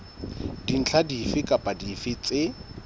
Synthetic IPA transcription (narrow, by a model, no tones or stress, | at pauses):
d̥in̩t͡ɬʰadifɪkʼapʼadifɪt͡sʼɪ